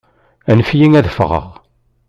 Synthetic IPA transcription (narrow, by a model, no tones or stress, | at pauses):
ænəfjiŋæðfʁə̰ʁ